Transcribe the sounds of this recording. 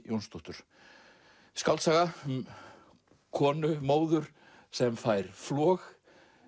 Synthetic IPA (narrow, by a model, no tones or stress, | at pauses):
jownst̪uht̪ʏɾ̥ | skalt̪saːɣa | kʰɔːnʏmoːwðʏɾ̥ | sɛmfaːjɾ̥flɔːx